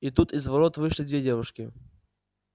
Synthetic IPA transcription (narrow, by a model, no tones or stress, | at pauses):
it̪ut̪izvɐɾot̪vɨʂlʲɪd̪vʲedʲevʊʂkʲɪ